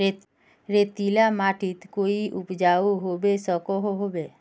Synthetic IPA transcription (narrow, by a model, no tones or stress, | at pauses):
ɾeːt̪ilamaːʈʰɪt̪koːiʔʊpd͡ʒaːuɦobesɔkoɦoɦoːbeː